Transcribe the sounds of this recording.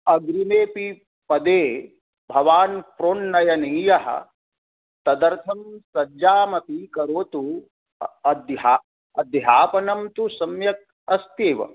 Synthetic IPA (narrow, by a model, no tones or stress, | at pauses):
ɐɡɾimeːpi | pɐd̪eː | bʱɐʋaːnpɾoːnːɐjɐniːjɐɦɐ̰ | t̪ɐd̪ɐɾt̪ʰɐmsɐd͡ʒaːmɐpikɐɾoːt̪u | ɐd̪ɦa | ɐd̪ɦaːpɐnɐmt̪usɐmjɐk̚ | ɐst̪eːʋɐ̰